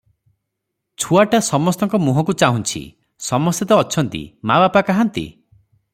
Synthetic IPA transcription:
t͡ʃʰuaʈasɔmɔst̪ɔŋkɔmuɦɔk̬ut͡ʃaɦũnt͡ʃʰḭ | sɔmɔst̪et̪ɔːt͡ʃʰɔnt̪ḭmabapakaɦant̪ḭ

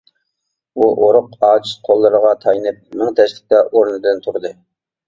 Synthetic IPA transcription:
uʔoɾʊqɑːt͡ʃʰi̥t̪qʰolˠːɨɾəʁɑt̪ʰɑjnɨp̚mɪŋt̪ʰɛʃlɪk̚ʲt̪ɛʔoɾnɨd̪ɨnt̪ʰuɾɨd̪ɨ

